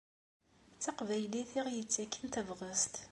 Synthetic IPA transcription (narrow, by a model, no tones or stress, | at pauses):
t͡sːɑqvæjliθiʁjət͡sːækːənt̪əvʁəst̪